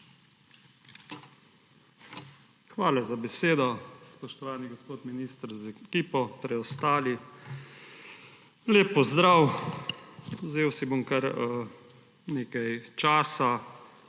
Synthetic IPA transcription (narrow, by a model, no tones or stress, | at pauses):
xʋaːlazabɛseːd̪ɔspɔʃt̪ɔʋaːniɡɔspoːt̪miniːst̪ɾzɛkiːpɔpɾɛɔst̪aːli | leːpːɔzd̪ɾaw | wzeːwsibomkɐɾ | neːkajt͡ʃaːsa